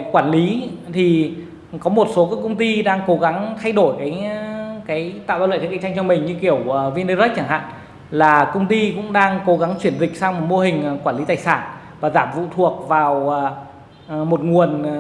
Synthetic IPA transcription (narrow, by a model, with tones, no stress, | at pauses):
kwaː˧˩nli˨˦t̪ʰi˨˩ | kɔ˨˦mo˨˩t̚so˨˦kɔː˨˦kə˧wŋ͡mt̪i˧ɗaː˧ŋko˨˦ɣa˨˦ŋt̪ʰa˧jɗo˧˩jkaː˨˦jkaː˨˦jt̪a̰ː˧˨wɓaː˧wlə̰˧˨˩k̚ːt͡ɕʰa˧ŋ̟t͡ɕɔ˧mï˨˩ɲɨ˧ki˧˩əwvi˧nə˧zə˦˥t̚t͡ɕaː˧˩ŋha̰ː˧˨n | laː˨˩kə˧wŋ͡mt̪i˧kʊ̰˧˥ŋ͡mɗaː˧ŋko˨˦ɣa˨˦ŋt͡ɕwi˧˩ənzï˨˩k̟̚saː˧wmo˨˩t̚mo˧ɦï˨˩ŋ̟˩kwaː˧˩nli˨˦t̪aː˨˩jsaː˧˩n | vaː˨˩zaː˧˩mvṵ˧˨t̪ʰu˨˩ək̚vaː˨˩wə˨˩˨ | mo˨˩t̚ŋu˨˩ən